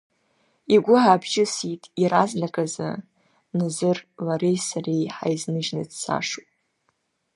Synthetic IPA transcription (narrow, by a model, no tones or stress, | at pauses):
iɡʷʊʕabʰt͡ʃɪsitʼiɾazlakʼazɨ̰ | nɨzɨrlaɾejsarejħa̰jznɨʒnɨdsʰa̰ʂu